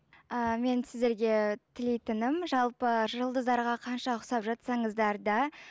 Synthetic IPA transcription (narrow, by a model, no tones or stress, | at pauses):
əme̞nsɪzd̪e̞ɾɡʲe̞t̪ʰɪlejt̪ɪnɪmʒɑlˠpəʒəlˠd̪əzd̪ɑɾʁɑqʰɑnʃɑʊsɑpʒɑt̪sɑɴəzd̪ɑɾd̪ɑ